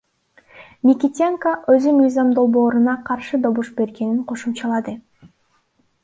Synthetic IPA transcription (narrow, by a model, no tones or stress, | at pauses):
mʲikʲit̪ʲeŋkaʔø̞zymɯjzɑmd̪o̞lˠbo̞ːɾunɑqʰɑɾʃɯd̪o̞βuʃbe̞ɾɡe̞niɴqʰo̞ʃumt͡ʃɑlˠɑd̪ɯ